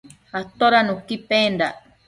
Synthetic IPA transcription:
at̪oɾanũkipẽnd̪a

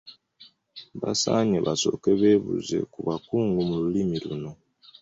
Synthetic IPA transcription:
βasa̰ɲeβaso̰keβeβṵzḛkuβakuːŋɡumululimiɾṵno

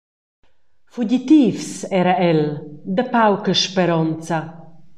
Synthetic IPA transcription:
fuɟit̪iːfsɛɾaɛld̪əpawkəʃpeɾɔnt͡sa

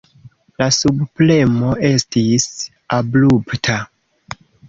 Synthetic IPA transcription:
lasubple̞mo̞ʔe̞stis | ablubtʰa

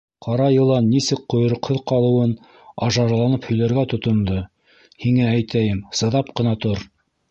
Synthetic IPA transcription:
qʰɑɾɑjɤ̆lˠɑnːisɘk̚qːŏjŏɾŏqhoðqɑlˠɤ̆wɤn | ɑ̰ʒɑɾlˠɑnɤphɵ̆jlæɾɡæt̪ŏt̪ŏnd̪o | hiŋææjt̪æjɘmsɤ̆ðɑp̚qɤ̆nɑt̪oɾ

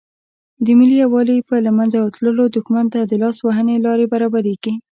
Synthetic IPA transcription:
d̪əmɪliawɑləpəlamanzawt̪ləlod̪ʊxmant̪ad̪əlɑswaɦənelɑɾebaɾɑbaɾeɡi

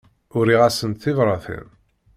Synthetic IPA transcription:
ʊɾiʁæsənt̪θivɾˤɑθḭn

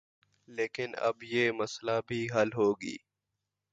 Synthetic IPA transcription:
leːkɪnɐ̰bjeːməslabʱiːɦəlɦoːɡḭː

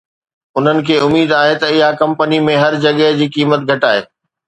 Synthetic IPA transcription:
ʊn̤ənɪ̆kʰeːʊmiːd̪aːɦet̪ɐɪɦakɐ̃mpənimẽɦɐɾd͡ʑɐɠəɦd͡ʑiːkiːmət̪̚ɡʱɐʈaːɦḛː

